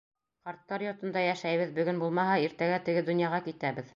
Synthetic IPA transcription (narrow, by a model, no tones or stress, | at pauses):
qɑɾt̪ːɑɾjot̪ɤ̆nd̪ɑjæʃæjβɘðbɵ̆ɡɵnbulˠmɑɦɑiɾt̪æɡæt̪ɘ̆ɡɘd̪ŏnjɑʁɑkit̪æβɘð